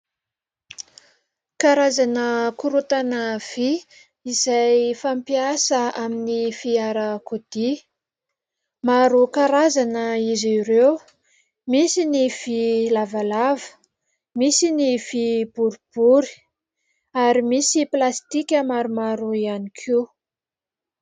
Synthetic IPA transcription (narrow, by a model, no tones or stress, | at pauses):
kaɾazanəkuɾut̪anəv̥i | izajfampiasəaminifiaɾəkod̪̥i | maɾukaɾazanəizirew | misinifilavalavə̥ | misinifib̥uɾib̥uɾi̥ | aɾimisiplast̪ikʲəmaɾumaɾuianikʰi